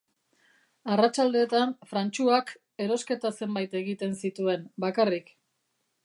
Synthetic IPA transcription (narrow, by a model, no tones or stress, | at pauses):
arat͡ʃald̪e̞ːt̪anfɾant͡ʃuak | e̞ɾo̞ske̞t̪ase̞mbajt̪e̞ɣit̪e̞nsit̪ue̞nbakarik